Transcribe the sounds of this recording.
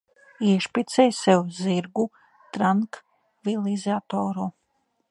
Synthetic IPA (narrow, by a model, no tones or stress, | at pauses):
iɛʃpʲit̪sɛjsɛwziɾɡu | t̪ɾaŋk | vilˠizʲat̪oːɾu